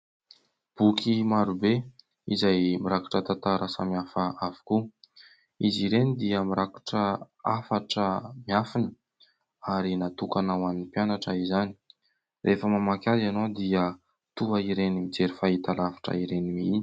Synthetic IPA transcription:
b̥ukʰimaɾube | izajmiɾaku̥ʈ͡ʂət̪at̪aɾʔasamiafəavu̥ku | iziɾenid̪iəmiɾaku̥ʈ͡ʂə | afaʈ͡ʂəmiafinə | aɾinat̪ukanawaninpjanaʈ͡ʂəizani̥ | rʔefəmamakʲazanod̪iə | t̪uaiɾenimid͡zeɾifait̪alavḁʈ͡ʂə̰iɾenimii

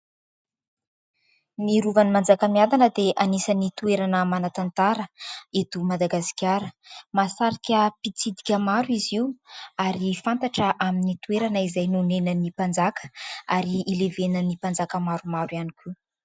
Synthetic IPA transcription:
niɾuvanimand͡zakəmiad̪anəd̪eʔanisənit̪ueɾanəmanat̪ant̪aɾəet̪umad̪aɡasi̥kʲaɾəmasaɾikʲəpit͡sid̪i̥kʲəmaɾwiziwaɾifant̪aʈ͡ʂəʔaminit̪ueɾanəizajnunenənipand͡zakə̥aɾiːlevenənipand͡zakəmaɾumaɾwianikʰu

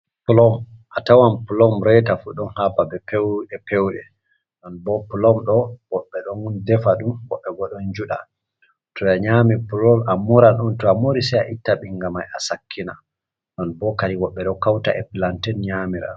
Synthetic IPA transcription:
pulɔm | ʔatawampulɔmɾɛtafuɗɔnhapabɛpɛwɗɛpɛwɗɛ | ɗɔnbɔpulɔmɗɔwɔɓːɛɗɔndɛfaɗumwɔ̰ɓːɛɡɔɗɔnd͡ʒuɗa̰ | tʰɔjaɲamipulɔmamɔɾaɔntɔamoɾisɛjaʔitːaɓiŋɡamajasakʰːina̰ | ɗɔnbɔkaɾiwɔɓːɛɗɔkawta̰ʔɛ̰plantɛnɲamiɾa̰

